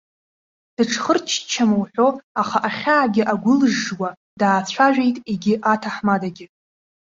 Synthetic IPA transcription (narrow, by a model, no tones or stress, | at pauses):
d̥ɨʈ͡ʂʰχərt͡ʃʰt͡ʃʰːamɨwħᶣʷo̞aχaʔaχʲaːɡʲɪʔaɡʷʊlʐːwa | daːt͡sʷʰaʒᶣʷe̞jtʼiɡʲɪʔatʰaħmadaɡʲɪ